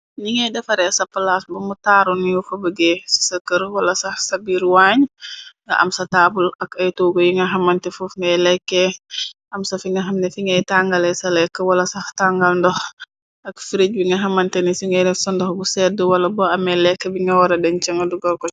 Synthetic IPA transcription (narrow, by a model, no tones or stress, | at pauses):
niŋɛdɐfɐɾɛsɐpːɐlasbɔmutaːɾunːiwufɐbəɡesi̥səkəɾwɐlɐsɐhsɐbiːɾwaːɲŋɡɐ̰ʔɐ̰msɐtaːbulɐkɐjtoːɡojiŋɡɐɦɐmɐntɛfufŋɛlɛkːɛʔɐmsɐfiŋɡɐɦɐmnɛfiŋɛjtaŋɡɐlɛsɐlɛkːəwɐlɐsɐhtaŋɡɐlndɔh | ʔɐkfiɾic̚biŋɡɐɦɐmɐntɛnisiŋɛnɛsɔndɔhbusɛdəwɐlɐbɔɐmɛlɛkːɛbiŋɡɐwɐɾɐdɛnt͡ʃɐŋɡɐduɡɐlkɔ